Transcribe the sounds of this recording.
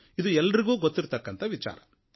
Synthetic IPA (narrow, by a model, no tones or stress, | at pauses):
id̪uɛlːɐɾiɡuːɡot̪ːiɾt̪ɐkːɐnt̪ɐʋit͡ʃa̰ːɾɐ